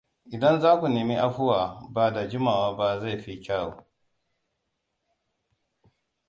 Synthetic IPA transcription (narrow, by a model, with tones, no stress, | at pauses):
ʔɪ˨dɐ˦nzaː˦kʷu˨neː˨mi˦ʔa˦ɸʊ˦waː˨baː˨da˨d͡ʒɪ˦maː˨waː˦ba˦za˦˨ɸi˦kʲaː˦wo̰ː˨